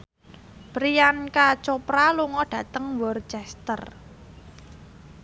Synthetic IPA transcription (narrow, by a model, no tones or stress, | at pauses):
bɾijankat͡ʃopɾaluŋɔɖ̥ä̤t̪əŋwɔrt͡ʃɛst̪ər